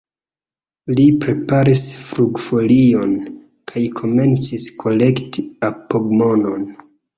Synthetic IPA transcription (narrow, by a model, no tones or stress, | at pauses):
lipɾe̞paɾisfɾuɡfo̞lio̞n | kʰajkʰo̞me̞nt͡siskʰo̞le̞ktiapoɡmo̞no̞n